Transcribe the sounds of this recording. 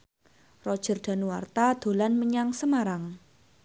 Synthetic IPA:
rɔ̥ʒ̥ə̤rɖ̥a̤nuwa̰rt̪ad̪̥o̤lanməɲaŋsəmaɾaŋ

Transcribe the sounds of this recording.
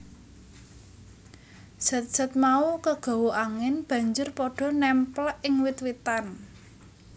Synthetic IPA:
sə̤t̪̚sə̤t̪̚maukəɡ̥ɔ̤woʔaŋɪnb̥ä̤ɲd͡ʒʊrpɔɖ̥ɔ̤nɛmplʔɪŋwɪt̪wit̪an

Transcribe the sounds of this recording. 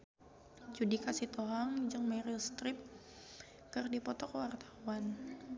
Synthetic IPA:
t͡ʃudikasiht̪oɦaŋd͡ʒɨŋmɛɾilst̪ɾɪp̚ | kɨrdipɔt̪ɔkəwart̪ʰḁwan

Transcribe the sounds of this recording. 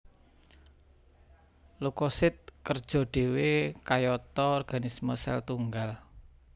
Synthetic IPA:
lukɔsɪt̪̚kərd̥ʒ̥ɔ̤ɖ̥e̤wekajɔt̪ɔːrɡ̥anisməsɛ̰lt̪uŋɡal

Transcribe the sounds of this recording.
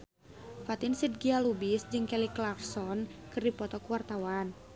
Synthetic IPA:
fat̪insid̪̚ɡialubisd͡ʒɨŋkɛliklarsɔnkɨrdipɔt̪ɔkuwart̪awan

